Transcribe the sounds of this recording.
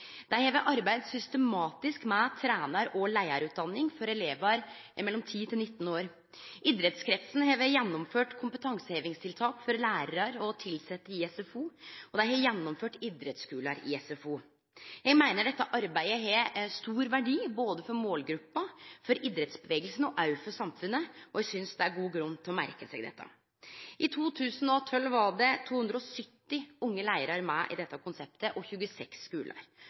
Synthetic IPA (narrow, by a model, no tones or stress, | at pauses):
d̪̥æhɛːʋəʔɑɾbæɪd̪sʏst̪əmɑːt̪ɪskmɛt̪ʰɾæːnɑɾɔlæɪəɾʉːt̪̚d̪ɑnːɪŋfɔɾɛleːʋəɾ | mɛlːɔmt̪ʰiːt̪ʰɪlnɪt̪ːn̩oːɾ | ʔɪd̪ɾɛt̪skʰɾɛt̪sn̩heːʋəjɛnːɔmføːʈkʰʊmpət̪ʰɑŋsəheːʋɪŋst̪ʰɪlt̪ʰɑːkfɔɾlæːɾɾɑɾɔt̪ʰɪlsɛt̪ːəɾɪɛsɛfuːɔd̪æɪhɛjɛnːɔmføːʈɪd̪ɾət̪skʉːləɾɪ̰ɛsɛfuː | jɛɡmæɪnəɖɛt̪ːəʔɑɾbæɪəɦɛst̪uːɾʋæɖiːboːd̪əfɔɾmoːlɡɾʉpːɑfɔɾid̪ɾət̪sbəʋeːɡəlsn̩ɔʔɑʉfəsɑmfʉnːəɔjɛɡsʏnsd̪ɛæɾɡuːɡɾʉnːt̪ʰɔmæ̰ɾkəsɛɡd̪ɛ̰t̪ːɑ̰ | ʔɪt̪ʰuːt̪ʰʉːsənɔt̪ʰɔlʋɑɖɛt̪ʰuːhʉnd̪ɾəɔsʏt̪ːɪʊŋːəlæɪəɾɑɾmæɪʔɪ̰d̪ɛt̪ːɑkʰʊnsɛp̚t̪əʔɔçʉːəsɛksːkʉːlʔə̰ɾ